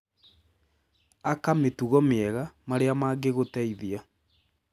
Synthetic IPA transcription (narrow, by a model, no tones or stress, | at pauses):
akametuɣɔmeɛɣamaɾeamaːɡeɣotɛiðia